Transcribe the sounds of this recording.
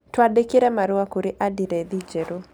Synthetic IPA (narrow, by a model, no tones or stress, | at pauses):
twaɗekiɾɛmaɾuakuɾiʔadiɾɛðid͡ʒɛɾu